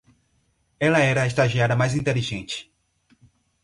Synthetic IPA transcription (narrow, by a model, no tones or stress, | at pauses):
ɛlɐɛɾɐeʃt̪aʒiaɾɐmajzĩnt̪eliʒẽnt͡ʃɪ̥